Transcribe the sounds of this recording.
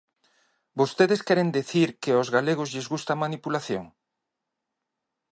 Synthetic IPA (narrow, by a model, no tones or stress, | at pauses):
bost̪eðeskɛɾend̪eθiɾkeozɣaleɣ̞ʊzʎezɣust̪amanipulaθjo̰ŋ